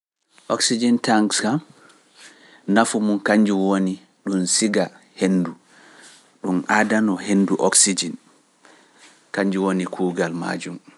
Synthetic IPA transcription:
ʔɔksid͡ʒintaŋkskam | nafumunkaɲd͡ʒuwoni | ɗunsiɡa | hendu | ɗunadanɔhenːduʔɔksid͡ʒin | kaɲd͡ʒuwonikʰuːɡalma̰ːd͡ʒum

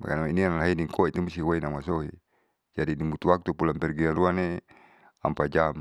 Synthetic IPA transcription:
ba̰ka̰nmainianalaɦiniŋkɔit̪umisiwainamasoɦi | d͡ʒadinimut̪uwak̚t̪upulampɛrɡianruane | a̰mpad͡ʒam

